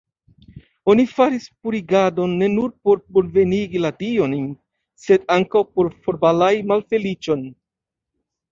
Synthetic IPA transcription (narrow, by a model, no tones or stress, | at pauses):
o̞nifaɾispuɾiɡado̞nːe̞nuɾpo̞ɾpoɾve̞niɡiladio̞n | se̞daŋkawpo̞ɾfoɾbalajmalfe̞lit͡ʃo̞n